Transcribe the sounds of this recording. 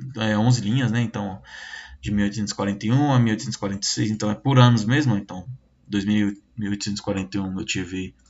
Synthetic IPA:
ɛõzɪlĩɲɐznɛẽt̪ɐ̃w̃ɔd͡ʒɪmiwojt̪ʊsẽt̪ʊz̥ɪ̥kwaɾẽnt̪ejũamiwojt̪ʊsẽt̪z̥skwaɾẽnt̪esejzẽnt̪ɐ̃w̃ɛpʊɾɐ̃nʊzmezmʊẽt̪ɐ̃w̃ | d̪ojzmiwimiwojt̪sẽt̪ʊz̥ɪ̥kwaɾẽnt̪eũewt͡ʃivɪ

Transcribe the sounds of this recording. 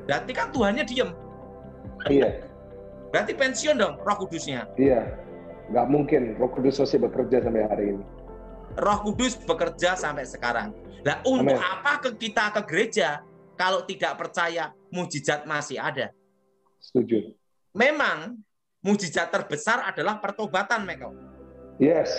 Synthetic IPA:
bɾat̪ikant̪uɦanɲadiəm | ija | b̥əɾat̪ipɛnsiʊndɔŋrɔhkudʊsɲaija | ŋɡaʔmuŋkɪnrɔhkudʊsosɪbəkərd͡ʒasampɛɦaɾiːni | rɔhkudʊsb̥əkərd͡ʒasampɛʔsəkaɾa̰ŋlaʔuntʊkapakəkit̪akəɡəɾed͡ʒa | kalot̪idaʔpərt͡ʃaja | mud͡ʒizat̪̚masɪhada | sə̥t̪ud͡ʒʊt̪̚ | memaŋ | mud͡ʒiz̥at̪ːərb̥əsarad̥alahpərt̪obat̪anmɛko | jɛs

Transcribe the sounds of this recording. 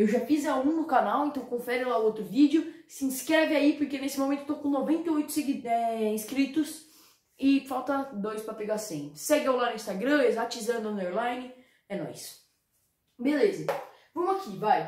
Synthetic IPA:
ewʒafizaũnʊkanawẽnt̪ɐ̃w̃kõfɛɾʊlaʊot̪ɾʊvid͡ʒɪʊsɪĩskɾɛvɪaipoɾkenesɪmõmẽt̪ʊet̪okõnovẽnt̪eojt̪ʊ̥seɡiɛĩskɾit̪ʊs | ɪfawt̪ɐd̪ojspɾɐpeɡasẽj̃sɛɡɪewlanʊĩst̪aɡɾɐ̃ezat͡ʃizɐ̃d̪ʊɐ̃d̪eɾlajnɪ | ɛnɔ̰js | belezɐ | vɐ̃mʊakivaj

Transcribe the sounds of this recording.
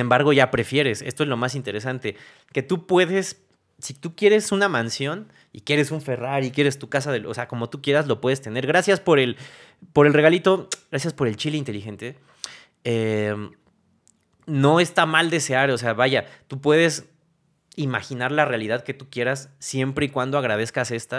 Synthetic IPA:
embaɾɣo̞ʝapɾe̞fje̞ɾe̞se̞st̪oe̞zlo̞masint̪e̞ɾe̞sant̪e̞ | ke̞t̪upwe̞ðe̞s | sit̪ukje̞ɾe̞sunamãnsjo̞n | ḭkje̞ɾe̞suɱfe̞raɾikjeɾe̞st̪ukasaðelʔo̰seako̞mo̞t̪ukje̞ɾazlo̞pwe̞ðe̞st̪e̞ne̞ɾɣɾasjaspo̞ɾe̞l | poɾelre̞ɣalit̪o̞ɡɾasjaspo̞ɾe̞lt͡ʃileint̪e̞lixe̞nt̪e̞ | e | no̞e̞st̪amald̪e̞se̞aɾoseaβaʝat̪upwe̞ðe̞s | imaxinaɾlarealiðaðke̞t̪ukje̞ɾasːje̞mpɾe̞ikwand̪o̞aɣɾað̞e̞skase̞st̪a

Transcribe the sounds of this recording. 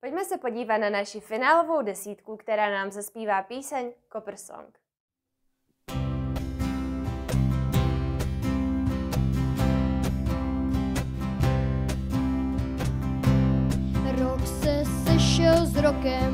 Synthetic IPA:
po̞cmɛsɛpo̞ɟiːvat̪nanaʃifɪnaːlo̞vo̞wdɛsiːt̪kukt̪ɛɾaːnaːmzaspiːvaːpiːsɛɲkopr̩so̰ŋk | ɾoksɛsɛʃɛlzɾokɛm

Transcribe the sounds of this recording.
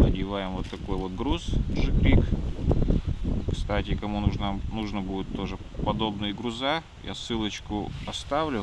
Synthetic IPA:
nədʲɪvajɪmvo̞t̪ːɐko̞jvo̞t̪̚ɡɾusʐɨkɾʲik | kst̪atʲɪkɐmunuʐnanuʐnəbudʲɪt̪ːo̞ʐɨ | pɐd̪o̞bnɨjɡɾʊza | ja̰sɨlˠət͡ɕkʊɐst̪avlʲʊ

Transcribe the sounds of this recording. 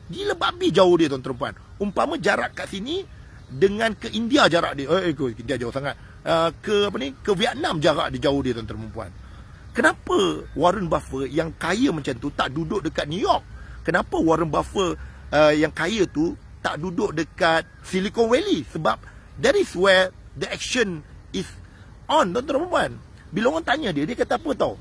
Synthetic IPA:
diləbaʔbid͡ʒaohdit̪awant̪əɾəmpua̰n | umpamə̃d͡ʒaɾaʔkaʔsini | dəŋãnkəʔindiad͡ʒaɾa̰ʔdəəkəindiad͡ʒaosaŋat̪̚ | əkəap̬ənikəwiaʔ̪namd͡ʒaɾa̰ʔdid͡ʒaohdit̪ant̪əɾəməmpua̰n | kənãpəwaɾənbafəjaŋkajəməɲt͡ʃant̪ut̪aʔdudoʔ̚dəkat̪̚nujɔk̚ːənãpəwaɾənbafəəjaŋkajət̪u | t̪aʔdudoʔ̚dəkat̪̚silikɔnwɛlisəbap̚ | dɛtiswɛdəɛk̚ʃənis | ɔnt̪ɔnt̪ɔɾpəmpuan | biloŋɔnt̪aɲə̃diədiəkat̪aapət̪aw

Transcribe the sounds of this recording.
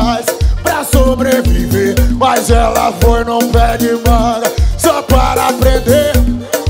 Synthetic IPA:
ajspɾɐsobɾeviveɾmajzɛlɐfojnɐ̃w̃vɛɾd͡ʒɪmad̪ɐsɔpaɾɐpɾẽd̪e

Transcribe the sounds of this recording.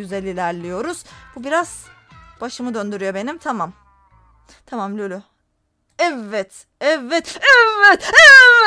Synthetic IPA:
yzelʲiːlʲæɾlʲijo̞ɾuz̥b̥ubiɾaz̥b̥aʃɯmɯd̪ø̞nd̪yɾyjo̞be̞nimt̪ʰamam | t̪ʰamamlʲølʲy | ɛvːɛt̪ | ɛvːɛt̪ɛvːɛt̪ɛvɛɛ

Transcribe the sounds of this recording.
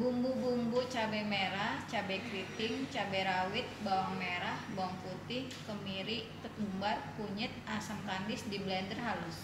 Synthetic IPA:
bumbubumbut͡ʃabɛmeɾaht͡ʃabɛkɾit̪ɪŋt͡ʃabɛɾawɪt̪̚bawaŋmeɾahbawaŋput̪ɪh | kəmiɾiʔt̪ət̪umbarkuɲət̪̚asaŋkandɪsdiblɛndərɦalʊs

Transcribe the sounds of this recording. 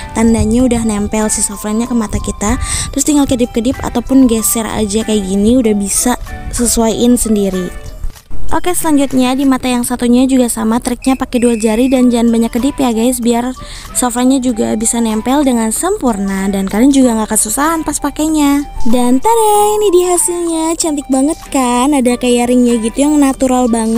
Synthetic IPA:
t̪andaɲaudahnɛmpɛlsəsofɾaɲakəmat̪akit̪at̪əɾʊst̪iŋɡalkədɪp̚kədɪpa̰t̪awpʊnɡajsɛɾa̰a̰d͡ʒakajaɡiniudahbisasəsuajɪnsəndiɾi | ʔokesəlaɲd͡ʒut̪̚ɲadimat̪ajaŋsat̪uɲad͡ʒuɡasamat̪əɾɪk̚ɲapakɛduald͡ʒaɾidand͡ʒanbaɲakːədɪpjaɡajs̬biar | sofaɲad͡ʒuɡa̰bisanɛmpɛldəŋansəmpurnadankadaŋd͡ʒuɡaŋɡakasusaɦanpaspakaɲadant̪aɾɛinidiɦasilɲat͡ʃant̪ɪk̚baŋət̪̚kanadakajaɾɪŋɲaɡit̪ujaŋnat̪uɾalbaŋə

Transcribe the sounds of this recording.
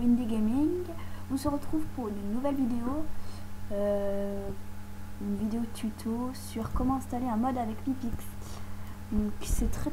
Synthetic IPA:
ind̪eɡʲemiŋɡɔ̃səʁət̪χuvpuʁnynːuvɛlvid̪eo | ø | ynvid̪eot̪ʰyt̪ʰosyʁkɔmɑ̃ɛ̃st̪aleɛ̃mɔd̪avɛkmipiks | d̪̥ɔ̃ksɛt̪χɛ

